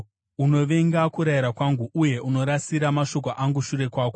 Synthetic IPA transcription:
uno̞ʋe̞ŋɡakuɾajiɾakwaŋɡuʔuje̞ʔuno̞ɾasiɾamaʃo̞k̬oʔaŋɡuʃuɾe̞kwaːko

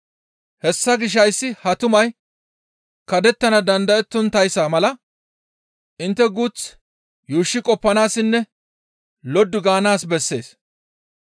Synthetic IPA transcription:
hɛsːɐɡɪʃ̬ːɐjsːɪhɐt̪ʊmɐj | kɐd̪ɛt̪ːɐnɐd̪ɐnd̪ɐɛt̪ːɔnt̪ɐjsaːmɐlɐ | ʔɪnt̪ːɛɡut͡s | juːʃːɪkʼɔpːɐnaːsɪnːɛ | lɔd̪ːʊɡaːnaːsbɛsːe̞̰ːs

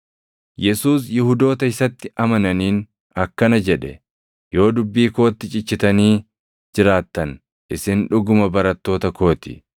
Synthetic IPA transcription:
jɛsuːsjɪhʊd̪o̞ːt̪ɐɪsɐt̪ːɪʔɐmɐnɐniːn | ɐkːɐnɐd͡ʒɛᶑɛ | jo̞ːd̪ʊbːiːko̞ːt̪ːɪt͡ʃʼɪt͡ʃːɪt̪ɐniː | d͡ʒɪɾaːt̪ːɐn | ʔɪsɪnᶑʊɡʊmɐbɐɾɐt̪ːo̞ːt̪ɐko̞ːt̪ɪ̰

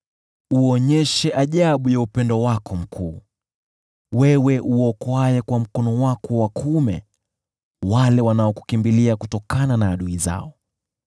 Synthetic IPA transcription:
uɔɲɛʃɛʔaʄaɓujaupɛndɔwakɔm̩kʰuː | wɛwɛʔuɔkɔajɛkwam̩kɔnɔwakɔwakʰumɛ̰ | walɛwanaɔku̥kimbiliakutɔkananaːɗuiza̰ɔ

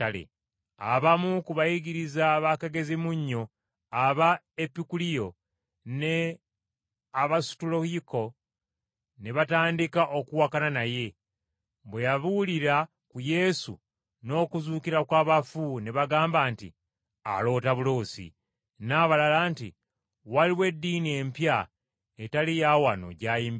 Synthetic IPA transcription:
alḛ | a̰βamukuβajiɡiɾizaβakeɡe̞zimuɲːo̞ | aβa | epːikulijo̞ | ne | aβasu̥tulo̞hiko̞ | neβataːndikaʔo̞kuwakananaje̞ | bwe̞jaβuliɾa | kuje̞sṵ | no̞ːkuzuːkiɾakwaːβafuneβaɡaːmbaːntḭ | a̰lo̞ːtaβulo̞ːsḭ | naːβalalaːntḭ | waliwe̞dːiːnie̞mpja | etalijawano̰ɟaːjiːmb

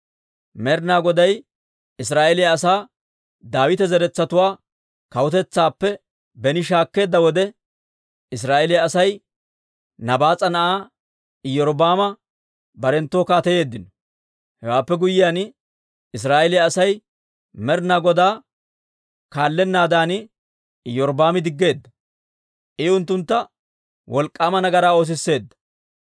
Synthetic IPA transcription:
mɛɾnaːɡɔd̪ɐj | ɪs̬ɾaːʔɛlɪjɐːsaː | d̪aːwɪt̪ɛzɛɾɛt͡sːɐt̪ʊwaː | kɐwʊt̪ɛt͡sːaːpːɛ | bɛnɪʃaːkːe̞ːd̪ːɐwɔd̪ɛ | ɪs̬ɾaːɛlɪjaːsɐj | nɐbaːt͡sʼɐnɐʔaː | jɔɾɔbaːmɐ | bɐɾɛnt̪ːoːkaːt̪ɛje̞ːd̪ːɪnɔ̥ | hɛwaːpːɛɡʊjɪjaːn | ɪs̬aːʔɛlɪjɐːsɐj | mɛɾnaːɡɔd̪aː | kaːlːɛnːaːd̪aːnɪ | jɔɾbaːmɪd̪ɪɡːe̞ːd̪ːɐ | ʔɪʊnt̪ːʊnt̪ːɐ | wʔɔlkʼːaːmɐnɐɡɐɾaːo̞ːs̬ɪsːe̞ːd̪ːɐ̥

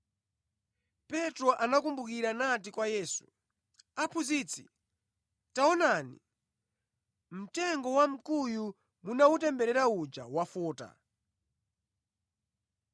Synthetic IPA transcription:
pɛtɾɔʔanakumbukiɾanatikwajɛːsu̥ | apʰuziːt͡sʰḭ | taɔnanḭ | m̩tɛŋɡɔwam̩kuju | munautɛmbɛɾɛɾaud͡ʒa̰wafɔːta̰

